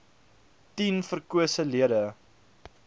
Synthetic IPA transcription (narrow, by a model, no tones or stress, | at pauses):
tinfərkuəsəliədə